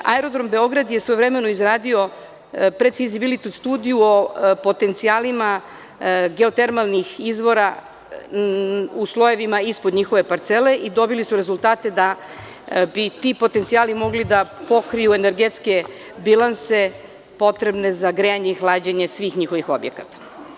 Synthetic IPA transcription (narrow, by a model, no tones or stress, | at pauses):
a̰eɾo̞d̪ɾo̞mbe̞o̞ɡɾad̪jesʋojʋɾeme̞noizɾaːd̪io̞ | pɾe̞d̪fizibilit̪ust̪uːd̪ijuopo̞t̪e̞nt̪sijaːlima | ɡe̞o̞t̪e̞ɾmalˠnixizʋo̞ɾa | uslˠo̞je̞ʋimaispod̪ɲixo̞ʋe̞paɾt̪sele̞ʔid̪o̞bilisuɾe̞zulˠt̪aːt̪e̞d̪a | bit̪ipo̞t̪ent̪ijaːlimo̞ɡlid̪apo̞kɾijue̞ne̞ɾɡet̪ske̞ | bilˠanse̞ | po̞t̪ɾe̞bne̞zaɡɾeaɲeixlˠaːd͡ʑeɲe̞sʋiːxɲixo̞ʋixo̞̰bjḛkat̪ḁ